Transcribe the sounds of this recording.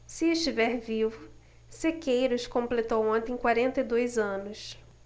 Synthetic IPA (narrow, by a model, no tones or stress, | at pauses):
sɪɪʃt͡ʃivɛɾvivʊ | sekejɾʊskõmplet̪owõnt̪ẽj̃kwaɾẽnt̪ɐjd̪ojzɐ̃nʊs